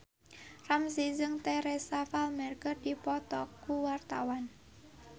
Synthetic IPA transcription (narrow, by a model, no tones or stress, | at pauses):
ramsizəŋt̪ɛɾɛsafalmɛrkərdipɔt̪ɔkːuwart̪awan